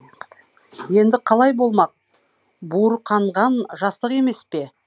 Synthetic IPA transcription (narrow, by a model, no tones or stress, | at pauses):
je̞nd̪ɪqʰɑlˠɑjbo̞lˠmɑq̚ | buɾqʰɑɴʁɑnʒɑst̪əqe̞me̞spe̞